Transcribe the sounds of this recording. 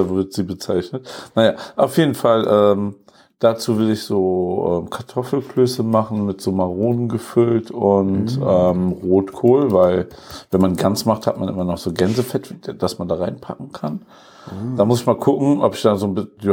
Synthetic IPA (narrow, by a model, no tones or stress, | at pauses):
vɪɐtz̥iːbət͡saɪçnətnajaːʔaʊfjeːdn̩falʔɛːm | d̥at͡suːvɪlɪçz̥oːʔɛ̰ːmkʰaɐtʰɔfl̩kløːsəmaχn̩mɪtz̥oːmaʁoːnənɡəfʏltʰʊntʔɛːmʁoːtkʰoːlvaɪlvɛnmanɡansmaχtha̰tmanʔɪ̰mɐnɔχz̥oːɡɛnzəfɛtv̥i̥d̥asmandaːʁaɪnpʰa̰kŋ̩kʰan | d̥aːmʊsɪçmaːlkʰʊkŋ̩ʔɔpɪçd̥aːzoːnbɪ